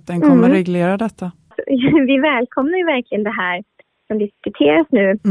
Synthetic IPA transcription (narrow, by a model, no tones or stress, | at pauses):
d̪ɛnkʰɔmːəɾɛɡleːɾad̪ɛt̪ʰːa | ɔ̰vɪvɛːlkʰɔmnaɾjvæɾklɪɡənd̪ɛɦæːɾ | sɔmd̪ɪsskɵt̪ʰeːɾasnʉ̟ː